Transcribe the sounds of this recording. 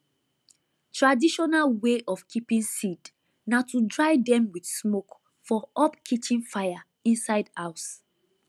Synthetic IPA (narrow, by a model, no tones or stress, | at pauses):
tʰɹadiʃɔnalweʔɔfkʰipĩnsid | natʰudɹaɪdɛ̃mwid̥smok | fɔʔɔpkʰit͡ʃĩnfaɪa | ĩnsaɪdhaʊs